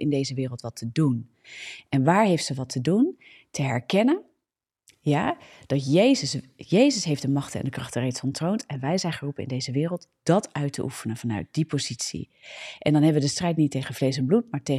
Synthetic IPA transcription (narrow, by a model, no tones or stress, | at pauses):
ɪndejzəʋɪːrəlˠtʋɑtʰədun | ʔɛnʋaːɹɦejftsəʋɑtʰədun | təɦɛɹkɛnən | jaːd̥ɑtjejzəs | jejzəsɦejfdəmɑχtəɛ̰ndəkrɑχtərejtsɔntrowntɛnʋɛjzɛjnχərupənɪ̰ndejzəʋɪːrəlˠtd̥ɑtœɥtʰə̰ʔṵfənənv̥ɑnœ̰ɥt̚dipowzitsḭ | ʔɛndɑnɦɛbəʋədəstrɛjtnitːejχənvlejs̬ɛnblutmaːɹte